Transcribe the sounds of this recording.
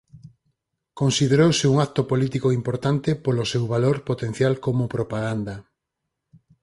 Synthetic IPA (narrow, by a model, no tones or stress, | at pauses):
konsið̞eɾowseuŋakt̪opolit̪ikoimpoɾt̪ant̪epolosewβaloɾpot̪ẽn̟θjalkomopɾopaɣ̞and̪a